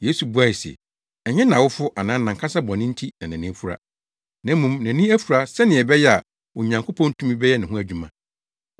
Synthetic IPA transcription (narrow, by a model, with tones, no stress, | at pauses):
je˨˦su˨bu˦a˨i˨sɛ̰˨ | ɛ˨ɲɪ̃˦nã˨wʊ˦fʊ˦ʔa˨nãː˨˦nã˨ŋkʰa˦sa˦bɔ̃˨nɪ̃˦n̩˦tʰi˦na˨næ̃˨nɪ̃˦fu˦ɾa̰˦ | nã˨˦m˦mũ˨mnæ̃˨nĩ˦æ˦fu˨ɾa˦sɛ˦nɪ̃˨ɛ˨bɛ˦jɛ˦a˨ | wɔ˨ɲã˨ŋkʰo˦pʰɔ̃˦n˦tʰũ˦mĩ˦bɛ˦jɛ˦nɪ̃˨ɦʊ̃˦æ˦d͡ʑᶣu˦mã˨